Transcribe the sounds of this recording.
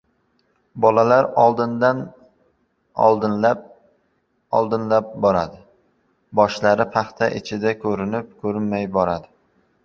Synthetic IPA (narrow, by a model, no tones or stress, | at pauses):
bɒlalaɾɒlˠd̪ɪnd̪an | ɒ̰lˠd̪ɪnlap̚ | ɒ̰lˠd̪ɪnlap̚bɒɾad̪ɪ | bɒʃlaɾɪpʰɑχt̪ʰaʔɪt͡ʃʰɪd̪akʲʰɵɾɪnɪp̚kʲʰɵɾɪnmajbɒɾad̪ɪ